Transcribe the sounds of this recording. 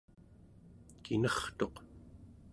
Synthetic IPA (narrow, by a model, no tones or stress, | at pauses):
kʰinʌχt̪o̞q